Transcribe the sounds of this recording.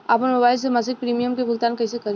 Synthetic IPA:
apənmɐbaːɪls̬emas̬ɪk̚pɾiːmijəmkebʱʊɡt̪aːnkɐːsekɐɾ

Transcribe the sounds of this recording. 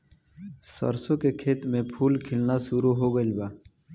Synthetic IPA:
sə̰ɾsõkekʰeːt̪mẽpʰuːlkʰɪlnasuɾuɦoːɡəlbaː

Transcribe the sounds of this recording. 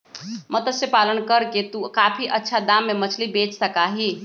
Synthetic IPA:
mət̪əsjəpalənkəɾket̪ukapʰiʔətːʃʰad̪amːemət͡ʃʰlibet͡ʃsəkaɦi

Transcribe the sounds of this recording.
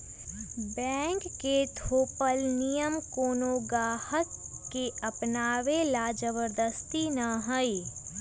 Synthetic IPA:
bɛ̃ːŋkːet̪ʰoːpəlnijəmkoːnoɡaːhəkː | eəpnaːʋelad͡ʒəbəɾd̪əst̪inaɦəi

